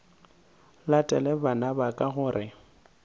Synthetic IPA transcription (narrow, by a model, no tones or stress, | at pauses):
latʼɛlɛbanabakʼaɣʊːɾʔɪ